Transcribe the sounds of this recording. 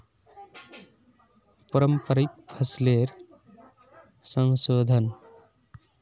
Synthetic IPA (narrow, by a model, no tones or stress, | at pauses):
pəɾəmpəɾik̚pʰəsleɾ | sʌŋsod̪ʱən